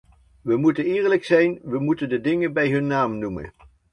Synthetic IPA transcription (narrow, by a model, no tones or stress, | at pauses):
ʋəmutənɪːɹləksɛjnʋəmutəndədɪŋənbɛjɦɵnːaːmnumə̰n